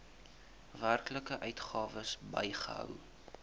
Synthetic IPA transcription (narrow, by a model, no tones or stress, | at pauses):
værkləkəʔœɥtχɑːvəsbəjχəɦœ̰w